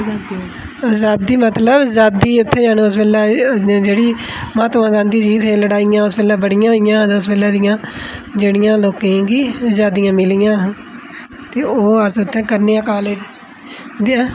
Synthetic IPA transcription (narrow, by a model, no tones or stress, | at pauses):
d̪ | zaːiːmət̪ləbzaːd̪iːʊt̪ʰːẽːd͡ʒaːnõːʊspɛːlɛːd͡ʒeːɽiːmãːt̪ʋãːɡãːnd̪iːd͡ʒiːt̪ɦẽːləɽaːɪjãːʊspɛːlɛːbəɽɪjãːɪjãːt̪ːʊspɛːlɛːd̪ɪjãːd͡ʒeːɽɪjãːloːkẽɡiːzaːd̪ɪjãːmɪlɪjãː | t̪eːoːəsʊt̪ʰːẽːkəɾneːãːkaːle | d̪ː